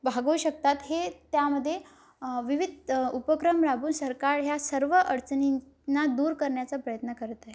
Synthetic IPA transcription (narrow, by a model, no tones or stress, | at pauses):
bʱaɡuuɕək̚t̪at̪ɦet̪jaməd̪ʱːje | ʋiʋid̪ʱupəkɾəmɾabuːnsəɾkaɾjasəɾʋəʔəɽt͡səni | nːad̪uːɾkəɾɳjat͡səpɾəjət̪nəkəɾt̪ə